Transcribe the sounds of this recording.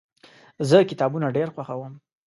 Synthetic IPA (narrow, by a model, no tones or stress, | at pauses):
zəkɪt̪ɑbunaɖeɾxwaxawəm